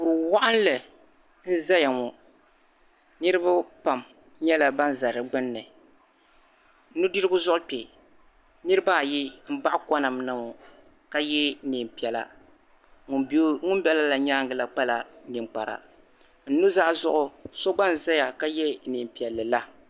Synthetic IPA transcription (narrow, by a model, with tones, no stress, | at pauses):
bʊ˨ɾɨ˨wa˦ʔa˦n˦lɨ˨ | n̩˦za˦ja˨ŋɔ˨ | nɨ˦ɾɨ˦ba˦pa˨m | ɲɛ˦la˨ba˦n˦za˨ɾɨ˨ɡ͡bɨ˦nːɨ˨ | n̩˦nu˦dɨ˦ɾɡʊ˦zʊ˦ʔʊ˦k͡pe˨ | nɨ˦ɾɨ˦baː˦˨ji˦m̩˦ba˦ʔka˦na˨mna˨ŋɔ˨ | ka˦jɛ˦ni˨m˨pi˨ɛ˨la̰˨ | ŋʊ˦m˦bɛ˦la˦la˨ɲaː˦ŋɡɨ˨la˨k͡pa˦la˨˦ni˨ŋ͡mk͡pa̰˨ɾa̰˨ | n̩˦nu˦za˦zʊ˦ʔʊ˦so˦ɡ͡ba˦n˨za˦ja˨ka˦jɛ˦ni˨m˨pi˨ɛ˨lːɨ˨la˦